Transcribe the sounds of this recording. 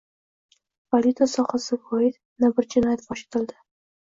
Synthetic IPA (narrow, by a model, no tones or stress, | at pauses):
palit̪ʰasɒhasɪvɒɪd̪ | nabɪɾd͡ʒɪnɒjat̪̚bɒʃɪ̥t̪ʰɪld̪ɪ